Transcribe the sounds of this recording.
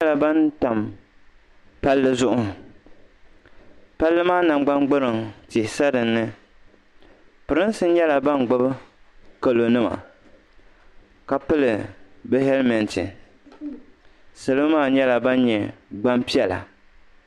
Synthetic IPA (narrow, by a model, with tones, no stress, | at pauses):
la˨ba˦nta˨m | pa˦lːɨ˦zʊ˦ʔʊ˦ | pa˦lːɨ˦maː˦na˨ŋ͡mɡ͡ba˦mɡ͡bɨ˦ɾɨ˨ŋtɪ˨hsa˦dɨ˨nːɨ˦ | pɨ˨ɾɨ˦n˦sɨ˦n˦ɲɛ˦la˨ba˦nɡ͡bʊ˦b | ka˨lo˨nɨ˦ma̰˨ | ka˨pɨ˦lɨ˨bɛ˦ɦɛ˦lmɛ˨ntɨ̰˨ | sɨ˨lɨ˦maː˦˨ɲɛ˦la˨ba˦n˦ɲɛ˨ɡ͡ba˦mpi˦ɛ˨la̰˨